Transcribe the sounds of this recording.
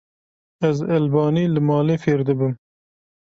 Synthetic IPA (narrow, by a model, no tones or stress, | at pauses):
ɛzɛlbɑːniːlɨmɑːleːfeːɾd̪ɨbɨm